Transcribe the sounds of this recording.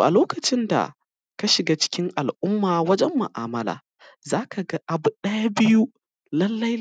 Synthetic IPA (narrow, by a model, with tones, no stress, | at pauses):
ʔa̰˨loː˦kɐ˨t͡ʃɪ˦nda̰˨ | ka˦ʃɪ˨ɡaː˦t͡ʃɪ̥˦kʲɪ˦ŋʔa˨lʔʊ˦mːaː˨wɐ˦d͡ʒɛ˦mːʊ̰˨ʔaː˨mɐ˦la̰ː˨ | zaː˦kʰa˨ɡa˦ʔa˨bʊ˨ɗɐ˦ja˦bɪ˦ju˦ | lɐ˦lːɐ˦j